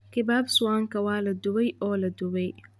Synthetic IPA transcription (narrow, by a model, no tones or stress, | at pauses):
kʰɪbaːbsʊwaːŋkʰɐwaːlɐd̪ʊβɛjɔːlɐd̪ʊβɛj